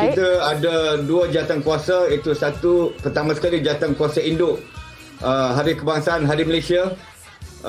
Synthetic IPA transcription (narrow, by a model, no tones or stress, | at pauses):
kit̪əadaduad͡ʒiat̪ankuasait̪usat̪upərt̪amãsə̥kalid͡ʒat̪ankuasaindʊʔ | əɦaɾikəbaŋsaːnɦaɾiməlesia